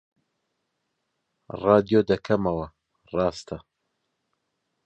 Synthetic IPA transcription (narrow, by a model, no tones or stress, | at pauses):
rɑːd̪ijoːd̪ɐkʰɐmɐwɐ | rɑːst̪ʰɐ